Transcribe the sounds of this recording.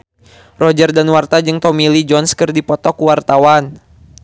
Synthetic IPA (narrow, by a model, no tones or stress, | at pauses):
rɔd͡ʒərdanwart̪ad͡ʒɨŋt̪ɔmilid͡ʒɔnskɨrdipɔt̪ɔkuwart̪awan